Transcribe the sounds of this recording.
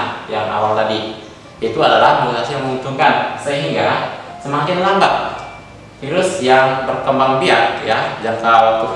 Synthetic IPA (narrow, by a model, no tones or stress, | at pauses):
jaŋʔa̰walt̪adi | it̪uadalahmuŋasijaŋməŋuɲt̪uŋkansəɦiŋɡasəmakɪnlambat̪̚ | fiɾʊsjaŋbərkəmbaŋbiakjad͡ʒamkawak̚t̪u